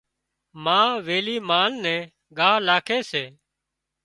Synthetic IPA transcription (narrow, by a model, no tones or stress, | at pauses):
mãːʋeːliːmaːnːɛ̃ː | ɡaːlaːkʰeːseː